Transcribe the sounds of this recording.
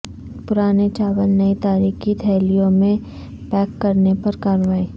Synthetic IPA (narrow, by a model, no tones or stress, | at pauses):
pʊɾaːnet͡ʃaːʋəlnɐit̪aːɾiːkit̪ʰɛːlijõmẽ | pɛːkːɐɾnepɐɾkaːɾʋaːi